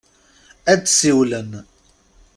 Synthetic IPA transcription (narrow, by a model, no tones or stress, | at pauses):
æt͡sːsiwlən